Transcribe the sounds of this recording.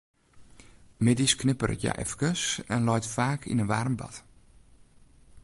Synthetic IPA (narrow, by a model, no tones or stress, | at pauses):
mɪdisknɪpərə̰tja̰ʔɛ̰fkəsɛnlɔjtfaːkʰḭnənʋarmbɑ̰t